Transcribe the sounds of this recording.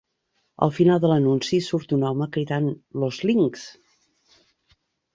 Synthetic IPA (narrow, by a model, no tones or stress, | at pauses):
ə̰lˠfinalˠd̪ələnunsisuɾt̪unɔməkɾiðanlozliŋks